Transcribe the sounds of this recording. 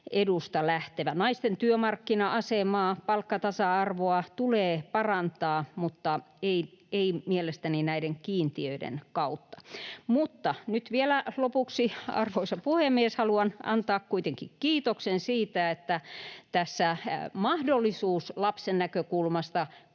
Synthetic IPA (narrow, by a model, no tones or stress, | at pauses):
edust̪ɑlæht̪eʋænɑist̪ent̪yømɑrkːinɑʔɑsemɑːpɑlkːɑt̪ɑsɑɑrʋoɑt̪uleːpɑrɑnt̪ɑːmut̪ːɑ | eieimielest̪æninæideŋkiːnt̪iøidḛnkɑut̪ːɑ̥mut̪ːɑnyt̪ʋielælopuksiɑ̰rʋoisɑpuhemːieshɑluɑnʔɑ̰nt̪ɑːkkuit̪eŋkikkiːt̪oksensiːt̪æet̪ːæt̪æsːæmɑhdolːˑisuːslɑpsenːækøkulmɑst̪ɑ